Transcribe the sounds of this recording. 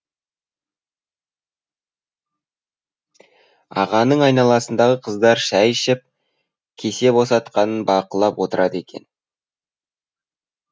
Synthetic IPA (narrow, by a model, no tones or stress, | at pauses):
ɑ̰ʁɑnəɴɑjnɑlˠɑsənd̪ɑʁəqʰəzd̪ɑɾʃæjʃɪp̚ | kʲʰe̞se̞bo̞sɑt̪̚qɑnənbɑqəlˠɑpwot̪əɾʔɑd̪e̞kʲe̞̰n